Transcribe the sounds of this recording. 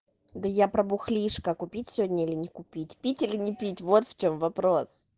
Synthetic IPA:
d̪əjapɾəbʊxlʲiʂkəkʊpʲitʲsʲodʲnʲəilʲɪnʲɪkʊpʲitʲpʲitʲilʲɪnʲɪpʲitʲvo̞t̪ft͡ɕo̞mvɐpɾos

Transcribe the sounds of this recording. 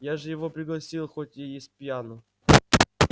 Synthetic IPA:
jaʐɨjɪvo̞pɾʲɪɡlˠɐsʲilˠxot̪ʲjejes̚ʲpʲjanʊ

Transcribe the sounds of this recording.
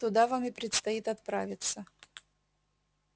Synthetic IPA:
t̪ʊd̪avamʲɪpɾʲɪt̪st̪ɐjit̪ɐt̪pɾavʲɪt̪sə

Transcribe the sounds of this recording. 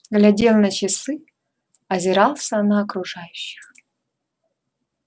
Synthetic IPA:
ɡlʲadʲelˠnɐt͡ɕɪsɨ | ɐzʲɪɾɑlˠsənɐːkɾuʐajʊɕːɪ̥x

